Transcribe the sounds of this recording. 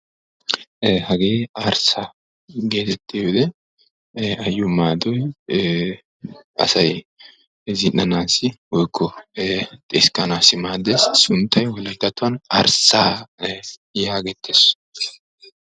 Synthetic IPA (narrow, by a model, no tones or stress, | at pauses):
hɐɡeːaːɾsa | ɡe̞ːt̪ɛt̪ːiwɪd̪ɛ | ɐjːʊmaːd̪ɔj | ɐ̰sɐj | zɪnːɐnaːsɪɔjkʰːɔ | t̪ʼeskːɐnaːsɪmaːd̪essʊnt̪ːɐjwɔlɐt̪ːɐt̪ʊwɐnɐ̰ːɾsaː | jaːɡɛt̪ʰːes